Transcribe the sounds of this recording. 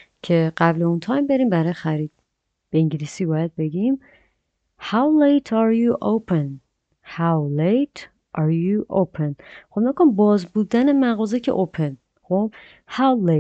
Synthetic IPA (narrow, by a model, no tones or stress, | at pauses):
cʰe̞ɢæble̞unt̪ʰɒːjmbe̞ɾiːmbæɾɒjexæɾiːd̪̥̚ | b̥eeŋɟelisiːbɒːjæd̪̚be̞ɡim | hawlejt̪ʰaɾjuʔowpʰen | hawlejt̪ʰ | ʔɑɾjuʔowpʰenxobmekonmbɒːzbuːd̪æne̞mæɣɒːzecʰeʔopʰen | xob̥ | hawle